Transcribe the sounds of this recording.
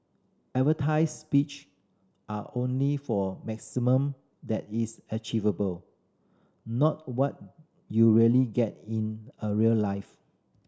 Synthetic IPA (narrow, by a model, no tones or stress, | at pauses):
ɛtvətʰaɪsspit͡ʃ | ʔaʔõnlifɔmɛksimə̃m | d̪ɛt̚isət͡ʃivəbəl | nɔt̚wɔt̚ | juɹiəliɡɛt̚ĩnəɹiəllaɪf